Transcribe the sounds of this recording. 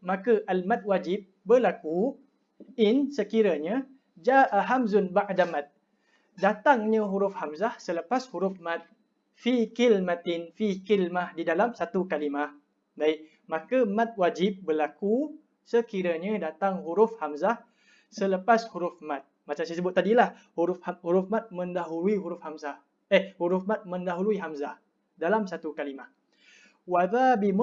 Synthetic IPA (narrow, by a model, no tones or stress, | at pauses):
mãkəʔalmat̪̚wad͡ʒɪb̚bərlaku | ɪnsəkiɾaɲa | d͡ʒaʔɦamzʊnbaʔadamat̪̚ | dat̪aŋɲə̃ɦuɾʊfhamzahsələpashuɾʊfmãt̪̚ | fikilmat̪ɪnfikilmahdidalamsat̪ukalimah | baɪʔ | makəmãt̪̚wad͡ʒɪp̚bəlaku | səkiɾaɲadat̪aŋɦuɾʊfhamzah | sələpashuɾʊfmãt̪̚mat͡ʃamsajəsəbʊt̪ːadilahhuɾʊfhahuɾʊfmãt̪̚mə̃ndaɦuluiɦuɾʊfhamzah | ɛhhuɾʊfmat̪̚mə̃ndaɦuluiɦamzah | dalamsat̪ukalimah | waðabim